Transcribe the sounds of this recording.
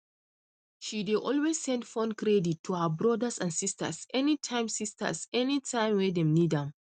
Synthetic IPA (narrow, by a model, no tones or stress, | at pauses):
ʃideʔɔlwesːɛ̃ndfɔ̃nkɹɛditʰːuhəbɹɔdəsãnsistə̰sɛnitʰãɪ̃msistʰə̰sɛnitʰãɪ̃mwɛdɛ̃mnidãm